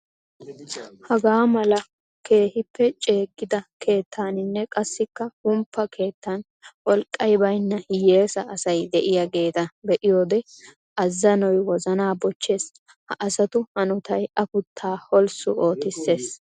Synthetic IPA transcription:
hɐɡaːmɐlɐ | ke̞ːhɪpːɛt͡ʃʼe̞ːkʼːɪd̪ɐkʰe̞ːt̪ʰːaːnɪnːɛkʼɐsːɪkːɐhʊmpːɐkʰe̞ːt̪ːɐn | wɔlkʼːɐjbɐjnːɐhɪje̞ːsɐːsɐjd̪ɛʔɪjaɡe̞ːt̪ɐbɛʔɪjoːd̪ɛ | ʔɐzːɐnɔjwɔzɐnaːbɔt͡ʃːe̞ːs | hɐʔɐsɐt̪ʊhɐnʊt̪ɐjɐpʊt̪ʰːaːhɔlsʊʔoːt̪ɪsːe̞ːs

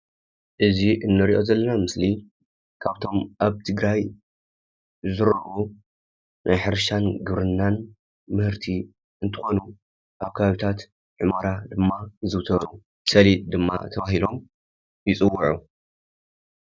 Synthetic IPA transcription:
ʔɨziʔɨnːɨɾiʔo̞zɐlːɐnamɨsli | kʰaβt̪ʰo̞mʔaβt̪ʰɨɡɾaj | zɨɾʔu | nʔajħɨɾʃanɡɨβɾɨnːan | mɨhɨɾt̪ʰi | ɨnt̪ʰɨ̥xo̞nu | ʔaβkʰɐβaβit̪ʰat̪ | ʕɨmaɾad̪ɨmːazɨwt̪ʰɐɾu | sɐlid̪ɨmːa̰t̪ʰɐβaɦilo̞m | jɪt͡sʼɨwːʊʕu

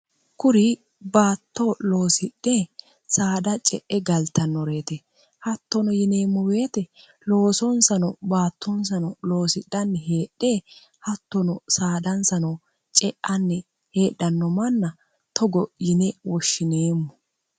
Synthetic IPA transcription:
kʊɾɪ | baːt̪ːolo̞ːsɪɗːe | saːd̪ɐt͡ʃʼɛʔɛɡɐlt̪ɐnːɔɾe̞ːt̪ɛ | hɐt̪ːɔnɔjɪne̞ːmːɔwe̞ːt̪ɛ | lo̞ːsɔnsɐnɔbaːt̪ʰːɔns̬ɐnɔlo̞ːsɪɗːɐnːɛɦeːɗːe | hɐt̪ːɔnɔsaːd̪ɐnsɐnɔ | t͡ʃʼɛʔɐnːɛ | heːɗːɐnːɔmɐnːɐ | t̪ʰɔɡɔjɪnɛwɔʃːɪne̞ːmːɔ

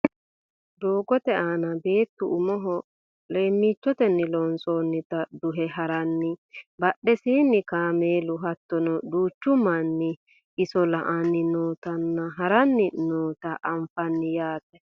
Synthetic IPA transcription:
d̪oːɡɔt̪ɛaːnɐbe̞ːt̪ːʊʊmɔɦɔ | leːmːiːt͡ʃːɔt̪ɛnːɪlɔnsoːnːɪt̪ɐd̪ʊɦɛɦɐɾɐnːɪbɐɗːɛsiːnːɪkaːmeːlʊɦɐt̪ːɔnɔd̪uːt͡ʃːʊmɐnːɪ | ɪsɔlɐʔanːɪnoːt̪ɐnːɐɦɐɾɐnːɪnoːt̪ɐʔːɱfɐnːɪjaːt̪ɛ

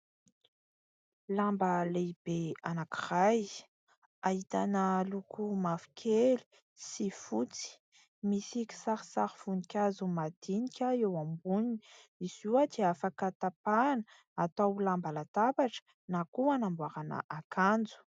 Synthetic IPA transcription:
lambəleb̥eanakiraj | ait̪anəlukumafi̥kʲʰeli̥ | sifut͡si̥ | misiki̥saɾisaɾifunikʲazumad̪̥inikʲəewambuniiizuwad̪eafakat̪apanə | at̪awlambalat̪apaʈ͡ʂə̥ | nakuanambwaɾana̰ʔakʰand͡zu̥

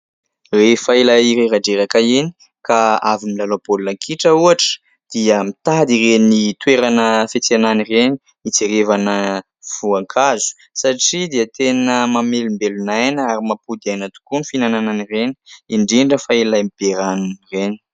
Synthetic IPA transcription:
refailaiɾeɾaɖ͡ʐeɾakaeni̥ | kaavimilalobolunakʰiʈ͡ʂəuaʈ͡ʂə̥ | d̪̥iəmit̪ad̪irenit̪weɾanəfet͡seananireni | it͡seɾevanə | v̥uaŋkʰazu̥ | saʈ͡ʂid̪iət̪enəmamelumbelunajnəaɾimapud̪iajnət̪u̥kunifinanananireni̥iɳɖ͡ʐiɳɖ͡ʐəfailajmib̥eɾanunireni

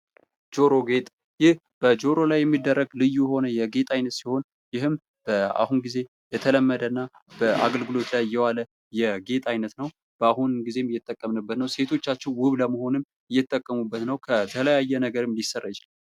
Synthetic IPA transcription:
d͡ʒo̞ɾo̞ɡe̞t̪ʼ | jɪh | b̥əd͡ʒo̞ɾo̞lajːɛmːid̪ːərːəɡlɨjːujɛho̞nəjɛɡe̞t̪ʼajnət̪siho̞n | jɪhɨm | b̥əa̰hunɡize̞ | jɛt̪ʰələmːəd̪ənːa | b̥əʔa̰ɡəlɡɨlo̞t̪lajːɛwalə | jɛɡe̞t̪ʼajnət̪nəw | b̥əahunɡize̞mjːɛt̪ʼːəkʼːəmnəbːət̪nəwse̞t̪ʰo̞t͡ʃːat͡ʃːɪnwʊβləməho̞nɨm | ɨjːɛt̪ʼːəkʼːəmubːət̪nəwkʰət̪ʰələjajːɛnəɡəɾɨmlisərːajɪt͡ʃɪla

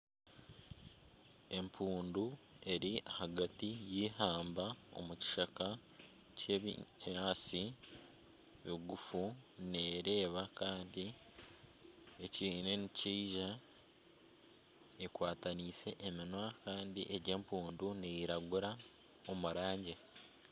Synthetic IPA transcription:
e̞mpʰuːndu | e̞ɾiʔahaɡatijiːhaːmbao̞̰muci̥ʃaka | ceβ̰aːsi | βiɡufuneːɾe̞ːβakaːndi | eciːne̞niciːʒa | ekwaːtaniːse̞ʔeminwakaːndiʔeɾɟe̞ːmpuːndunejiɾaɡuɾa | o̞muɾaːɲɟe

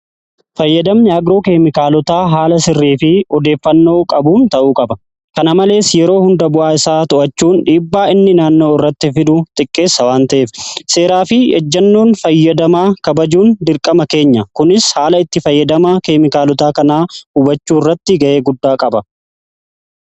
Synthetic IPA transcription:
fɐjːɐd̪ɐmɲaːɡɾo̞ːkeːmɪkaːlɔt̪aːɦaːlɐsɪrːiːfɪɔd̪e̞ːfːɐnːo̞ːkʼɐbuːnt̪ɐʔuːkʼɐbɐ | kɐnɐmɐle̞ːsjɛɾo̞ːhʊnd̪ɐbʊʔaːɪsaːt̪ʊʔɐt͡ʃːuːnᶑiːbːaːɪnːɪnaːnːoːɪrːɐt̪ːɪfɪd̪ʊt̪ʼɪkʼːe̞ːsːɐwaːnt̪ɐʔeːfse̞ːɾaːfɪɛ̰d͡ʒːɐnːoːnfɐjːɐd̪ɐmaːkɐbɐd͡ʒuːnd̪ɪɾkʼɐmɐke̞ːɲːɐkʊnɪshaːlɐɪt̪ːɪfɐjːɐd̪ɐmakeːmɪkaːlɔt̪aːkɐnaːhʊbɐt͡ʃːuːrːɐt̪ːɪɡɐʔe̞ːɡʊd̪ːaːkʼɐbɐ

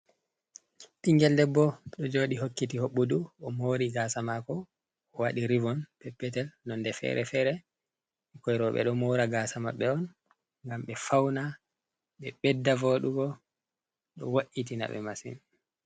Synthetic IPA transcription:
ɗiŋɡɛldɛbːɔɗɔd͡ʒoːɗiɦokːitihoɓːuduɔmoɾiɡasamakɔ | ɔwaɗiɾivɔnpɛpːɛtɛlnɔndɛfɛ̰ɾɛfɛɾɛ | kɔjɾɔɓɛ̰ɗɔmoɾaɡasama̰ɓɛɔn | ŋɡamɓɛfawna | ɓɛɓɛdːavoɗuɡɔ | ɗɔ̰waʔitina̰ɓɛ̰masḭn

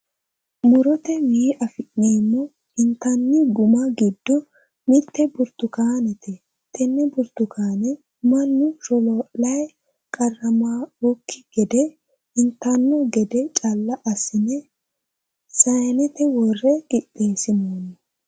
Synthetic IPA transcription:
mʊɾɔt̪ɛwiːʔɐfɪʔniːmːɔ | ɪnt̪ɐnːɪɡʊmɐɡɪd̪ːɔ | mɪt̪ːɛbʊɾt̪ʊkaːnɛt̪ɛ | t̪ʰɛnːɛbʊɾt̪ːʊkaːnɛ | mɐnːʊɾɔlolɐj | kʼɐrːɐmaːwɔkːɪ̥ɡ̥ɛd̪ɛ | ɪnt̪ɐnːɔɡɛd̪ɛt͡ʃʼɐlːɐʔɐsɪnɛ | sɐjnɛt̪ɛwɔrːɛkʼɪtʼːeːsɪnoːnɛ

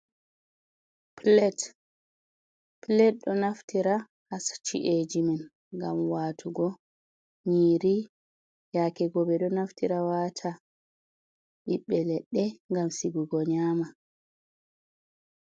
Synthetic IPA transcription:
plɛt | plɛt̚ɗɔnaftiɾa | hast͡ʃḭʔed͡ʒiman | ɡa̰mwaːtʰuɡɔ | ɲiːɾi | jakɛɡɔbɛɗɔnaftiɾawatʰa | ɗiɓːɛlɛɗːɛŋɡamsiɡuɡɔɲaːma

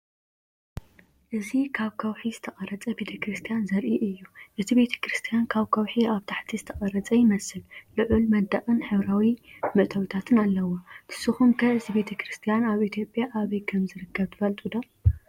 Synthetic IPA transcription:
ʔɨzikʰaβkʰɐwħizɨt̪ʰɐχʼɐɾɐt͡sʼɐbe̞t̪ʰɐkɾɨst̪ʰijanzɐɾʔiʔɨjːuʔɨzʰibe̞t̪ʰɐ̥kɾɨst̪ʰijankʰaβkʰɐwħiaβt̪ʰaħt̪ʰizɨt̪ʰɐχʼɐɾɐt͡sʼɐjɪmɐsɨllɨʕulmɐd̪ɐχʼɨnħɨβɾawimɨʔt̪ʰɐwit̪ʰat̪ʰɨnalːɐwot̪ʰɨ̥sɨxumkʰɐɨzibe̞t̪ʰɐkɾɨst̪ʰijanaβit̪ʰjo̞pʼjaʔaβɐjkʰɐmzɨɾɨkʰːɐβt̪ʰɨfɐlt̪ʼud̪o

